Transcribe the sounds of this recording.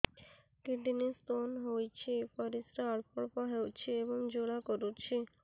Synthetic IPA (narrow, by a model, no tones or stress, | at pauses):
keʈinist̪onɦojt͡ɕʰepaɾisɾaaɭpɔɽpaɦewt͡ɕʰeeboŋd͡ʑoɽakoɾut͡ɕʰe